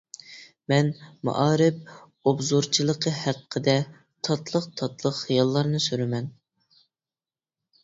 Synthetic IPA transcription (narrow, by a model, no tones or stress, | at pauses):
mɛnmɑ̰ʔɑːɾɪp̚ | obzuɾt͡ʃʰilˠəqʰəhæqʰːəd̪ɛ | t̪ʰɑt̪lˠəqt̪ʰɑt̪lˠəqχijɑlˠːɑɾnɨsyɾɪmɛn